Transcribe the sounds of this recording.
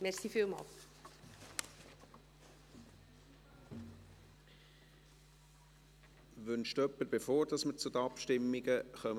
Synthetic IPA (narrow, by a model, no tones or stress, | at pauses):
mɛɾsifiːlˠmɑ̰l | ʋʏnʃtœpːəɾbefoːɾd̥ɑsmət͡sud̪əɑpʃtɪmːiɡəχœm